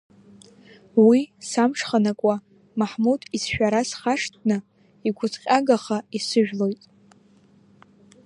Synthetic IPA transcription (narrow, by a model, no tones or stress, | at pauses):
wisamʂχanakʷʼa | maħmudisʃᶣaɾasχaʂt̚ʰʼnɨ | iɡʷʊzʼqʲʼaɡaχaisɨʒᶣlo̞jtʼ